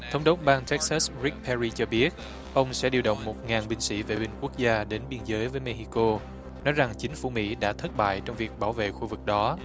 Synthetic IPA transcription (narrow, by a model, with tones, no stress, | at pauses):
t̪ʰə˨˦wŋ͡mɗo˦˥k͡p̚ɓaː˧ŋt̪ɛ˦˥k̚sa˦˥sɹi˦˥k̚pɛ˧zi˧t͡ɕɔ˧ɓi˦˥ət̚ | ʔə˧wŋ͡msɛ̰˧˥ɗi˧wɗə̰˧˨wŋ͡mmo˨˩t̚ŋaː˨˩nɓï˧ŋsḭ˧˥ve˨˩ɓï˧ŋ̟ku˦˥ək̚zaː˧ɗe˨˦nɓi˧ənzəː˨˦jvəː˨˦jme˧ɦi˧ko˧ | nɔ˨˦jza˨˩ŋt͡ɕï˨˦ŋ̟fu˧˩mḭ˧˥ɗa̰ː˧˥t̪ʰə˦˥t̚ɓa̰ː˧˨jt͡ɕɔ˧wŋ͡mvi˨˩ək̚ɓaː˧˩wvḛ˧˨xu˧vɨ˨˩k̚ɗɔ˨˦